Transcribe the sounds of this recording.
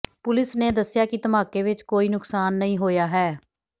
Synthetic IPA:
pʊlɪsneːd̪əsːɪjaːkɪt̪əmaːkeːʋɪt͡ʃkoːiːnʊksaːnːəɦĩːɦoːjaːɦɛː

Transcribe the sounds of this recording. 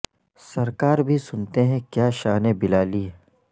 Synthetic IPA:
sɐɾkaːɾbʱisʊnt̪eɦɛ̃kjaːʃaːnebɪlaːliɦɛ

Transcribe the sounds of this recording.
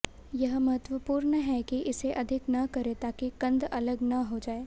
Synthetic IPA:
jɐɦmɐɦət̪wʋəpuːɾnəɦɛkiʔɪseʔɐd̪ʱɪknɐkɐɾet̪aːkikɐ̃nd̪ɐləɡnɐɦod͡ʒaːeː

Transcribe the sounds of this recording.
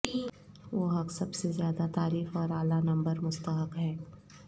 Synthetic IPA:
ʋoːɦɐksɐbsezjaːd̪at̪aːɾiːfɔːɾaːlanɐ̃mbəɾmʊst̪əɦəkɦɛː

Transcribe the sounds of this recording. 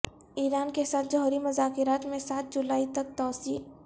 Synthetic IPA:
iːɾaːnkesaːt̪ʰd͡ʒɔɦɾimʊzaːkɪɾaːt̪mẽsaːt̪̚ʰd͡ʒʊlaːit̪ək̚t̪ɔːsiː

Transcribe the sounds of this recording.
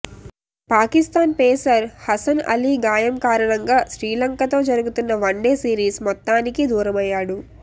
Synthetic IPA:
paːkist̪aːnpɛːsɐɾhɐsɐnɐ̰liɡaːjɐmkaːɾɐɳɐŋɡaːʃɾiːlɐŋkɐt̪o̞ːd͡ʒɐɾuɡut̪unːɐʋɐɳɖeːsiːɾiːsmɔt̪ːaːnikid̪uːɾɐmɐjːaːɽu

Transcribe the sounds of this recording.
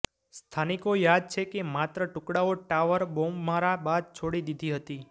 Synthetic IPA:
st̪ʰanikojad̪̚t͡ʃʰekemat̪ɾəʈʊkɽaoʈaʋəɾbommaɾabad̪̚t͡ʃʰoɽid̪id̪ʱiɦət̪i

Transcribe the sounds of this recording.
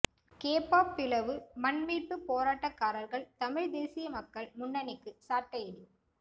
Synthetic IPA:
keːpaːpːɪlɐʋɯmɐnmiːʈːɯpoːɾaːʈːɐkːaːɾɐɾɣɐɭt̪ɐmɪɻd̪eːsɪjɐmɐkːɐɭmʊnːɐnɪkːɯsaːʈːɐjɐɽi

